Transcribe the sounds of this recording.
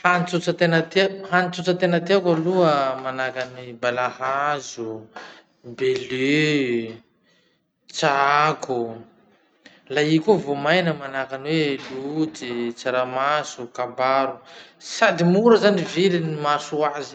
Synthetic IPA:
hanit͡sut͡sat̪enət̪ehanit͡sut͡sat̪enət̪eakaluəmanakanibalahazu | bele | t͡sakʰu | laikuvomajnəmanakanwelut͡sit͡saɾamasukabaɾusad̪imuɾəzanivilinimasuazi̥

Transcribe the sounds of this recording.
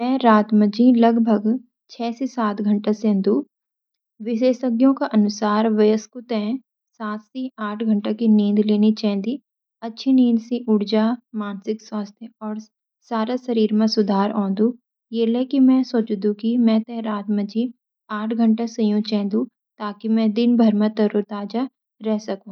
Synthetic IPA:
mɛ̃ɾaːt̪məd͡ʒĩlɐɡbʱəɡ | t͡ʃʰɛːsesaːt̪ɡʱə̃ɳʈasẽːnd̪ũ | ʋɪʃeːʃəɡjõkaʔɐnʊsaːɾʋɐjəskʊt̪ɛ̃ | saːt̪siaːʈʰɡʱɐ̃ɳʈakinĩːnd̪leːnit͡ʃɛ̃ːnd̪i | ɐtːʃʰinĩːnd̪sĩʔʊɽd͡ʒaːmaːnsɪkswaːst̪ʰjeɔːɾ | saːɾasɐɾiːɾmẽsʊd̪ʱaːɾɔ̃ːnd̪ũ | jeːlɛkimɛ̃soːt͡ʃd̪ũkimɛ̃t̪ɛɦɾaːt̪mɐd͡ʒi | aːʈʰɡʱɐ̃ɳʈasɐjũt͡ʃɛ̃ːnd̪ũ | t̪aːkimɛ̃d̪ɪnbʱɐɾmẽt̪ɐɾuɾt̪aːd͡ʒa | ɾɛɦsɐkũː

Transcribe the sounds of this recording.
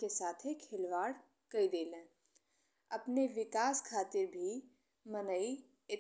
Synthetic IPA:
kesaːt̪ʰekʰɪlʋaːɽ | kɐid̪eːlẽː | ɐpneʋɪkaːskʰaːt̪ɪɾbʱi | mɐnəi | ɪ

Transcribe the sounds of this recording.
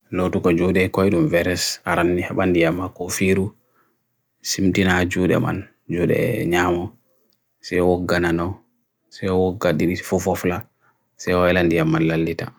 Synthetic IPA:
lotukɔd͡ʒuɗɛkɔjɗumvɛɾɛsaɾanːihɛɓandijamːakɔfiɾu | simtinad͡ʒuːɗɛ̰ma̰n | d͡ʒuɗɛ̰ɲamɔ | sɛjwɔɡananɔ | sɛjwɔɡːaɗiɗi̥fufɔfla | sɛjwaɛlandijamːanlalːita

